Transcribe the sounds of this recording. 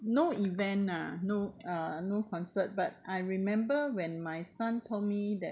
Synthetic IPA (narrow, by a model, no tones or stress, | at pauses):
noivɛ̃na̰noʌnokʰɔ̃nsət̚bat̚ʔajɹimɛ̃mbəwɛ̃nmajsãntʰol̚midɛ